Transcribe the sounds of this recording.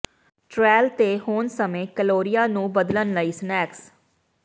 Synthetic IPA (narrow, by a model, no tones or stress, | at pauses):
ʈɾɛːlt̪eːhoːnsəmẽːkəloːɾɪjaːnũːbəd̪lənləiːsnɛːks